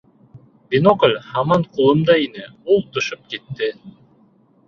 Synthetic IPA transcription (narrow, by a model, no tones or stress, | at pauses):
vʲenokolʲhɑmɑɴqʰulˠɤmd̪ɑinɘulˠt̪ʰŏʃɤp̚ket̪ːɪ